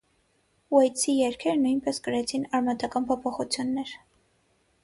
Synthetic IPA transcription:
wɛjt͡sʰijɛɾkʰɛɾnujnpɛskəɾɛt͡sʰinɑɾmɑt̪ɑkɑnpʰɔpʰɔχut͡sʰjunːɛɾ

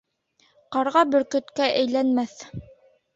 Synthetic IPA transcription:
qɑɾʁɑbɵ̆ɾkɵ̆t̪kæʔɘ̆jlænmæθ

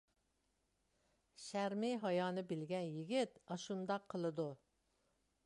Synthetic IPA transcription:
ʃæɾmɪɦɑjɑːnɨbɪlɡʲɛnjɪɡʲit̪ɑʃund̪ɑqʰːəlˠɨd̪u

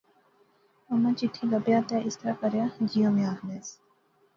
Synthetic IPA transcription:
ɐmãt͡ʃɪʈʰːiləbjat̪aʔɪst̪ɾakəɾjaːd͡ʒijõmẽaːɦneːs

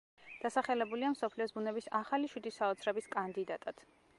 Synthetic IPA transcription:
d̪̥asaχɛlɛbuliamsɔpʰliɔsbunɛbisaχaliʃwid̪isaɔt̪sʰɾɛbiskʼand̪id̪at̪ʼad̪̥

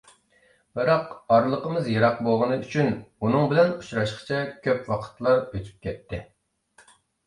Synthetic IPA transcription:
bɨɾɑqɑɾlˠəqəmɨzjɑɾɑqbolˠʁənɨyt͡ʃʰynunɨŋbɪlɛnut͡ʃɾɑʃqt͡ʃʰɛkʲʰøpwɑqʰə̥t̪lˠɑɾøt̪ʰy̥p̚kʲʰɛt̪ʰːɪ

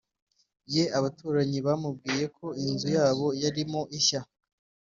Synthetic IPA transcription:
je̞aβatuːɾaɲiβamubɡiːje̞kʰo̞inzujaːβo̞jaɾimo̞ʔiça

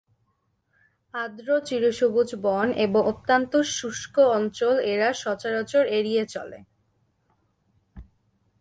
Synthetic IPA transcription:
ad̪ɾot͡ɕiɾoʃobud͡ʑbɔneboŋʔopt̪ant̪oʃuʃkoɔnt͡ɕoleɾaʃɔt͡ɕaɾot͡ɕoɾeɾijet͡ɕɔ̰lḛ

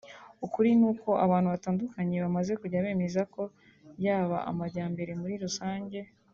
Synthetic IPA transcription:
ukuɾinuːko̞aβaːn̥huβataːndukaɲe̞βamaze̞kuɟaβe̞ːme̞zako̞ | βjaːβa̰a̰maɾɟaːmbe̞ɾe̞muɾiɾusaːɲɟe̞

